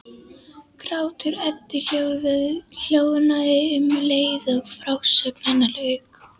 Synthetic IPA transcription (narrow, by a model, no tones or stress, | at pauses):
kɾaːwt̪ʰʏɾɛt̪ːɪç̥œːɣvɪðl̥joːwðɪnaɪʏmleːjðɔɣfɾawsœknanːalœːɥk